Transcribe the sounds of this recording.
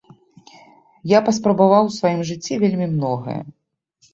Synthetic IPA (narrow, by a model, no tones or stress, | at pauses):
japɐspɾɐbavawsvajimʐɨt͡sʲːivʲelʲmʲimnɔɣɐ̰jɐ̰